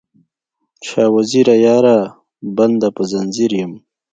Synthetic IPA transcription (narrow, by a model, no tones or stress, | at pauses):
ʃaːwaziɾajaːɾa | band̪apəzanziɾjəm